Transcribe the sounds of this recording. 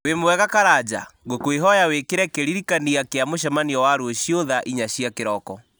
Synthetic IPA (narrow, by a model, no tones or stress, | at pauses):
wemowɛɣakaɾad͡ʑa̰ɣokweɦɔjawekeɾɛkeɾiɾikaniakeamoʃɛmaniɔwaɾwoɕioðaʔiɲaɕiakeɾɔkɔ